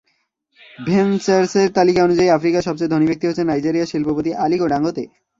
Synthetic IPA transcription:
bʱent͡ɕaɾseɾt̪alikaonud͡ʑaiafɾikaʃɔb̚t͡ɕed̪ʱonibek̚t̪iɦoːt͡ɕʰenajd͡ʑiɾiaʃilpopot̪iʔalikoɖaŋɡot̪e

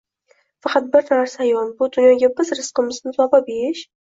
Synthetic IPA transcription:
fɑqʰɑt̪̚bɪɾnaɾsaːjɒlˠbʊd̪ʊnjɒɡʲabɪzɾɪskʊmɪznɪsɒbap̚eɾɪʃ

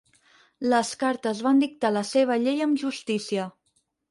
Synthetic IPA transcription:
ləskaɾt̪əzβand̪ik̚t̪aləseβ̞əʎejəmʒust̪isiə

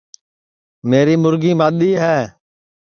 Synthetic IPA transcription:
meːɾiːmʊɾɡiːmaːɗ̪iːɦɛː

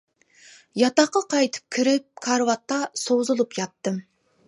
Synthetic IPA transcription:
jɑt̪ɑqːɑqʰɑjt̪ʰɨ̥p̚kʲʰiɾɪp̚kʰɑɾwɑt̪ːɑsozulˠupjɑt̪ːɨm

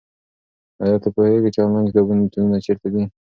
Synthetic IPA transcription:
ajɑt̪apoheɡet͡ʃɑmand͡ʒd̪abunit̪ununat͡ʃeɾt̪ad̪i

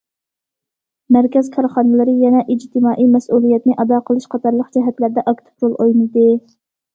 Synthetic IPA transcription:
mæɾkʲɛz̥kʰɑɾχɑːnɨlˠɨɾɨjɛnɛʔid͡ʒt̪ʰɪmɑːʔijmɛsulˠijɛt̪nɪʔɑd̪ɑːqʰəlˠɨʃqʰɑt̪ɑɾlˠəqd͡ʒɛɦɛt̪læɾd̪ɛʔɑkt̪ʰɨ̥pɾolˠʔojnɨd̪ɨ

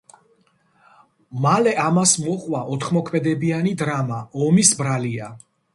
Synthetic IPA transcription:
malɛʔamasmɔχʼwaʔɔt̪ʰχmɔkʰmɛd̪ɛbianid̪ɾamaɔmisbɾalia

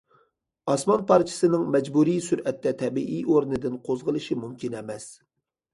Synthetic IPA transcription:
ɑsmɑnpʰɑɾt͡ʃʰɪ̥sɨnɨŋmɛd͡ʒbuɾijsyɾɛt̪ːɛt̪ʰɛbiʔijoɾnɨd̪ɪnqʰozʁəlˠɨʃimumkʲʰinɛmɛs

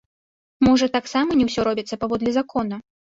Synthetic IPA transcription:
mɔʐɐt̪aksamɐnʲɛwsʲɔɾɔbʲit̪sːɐpavɔd̪lʲizakɔnɐ

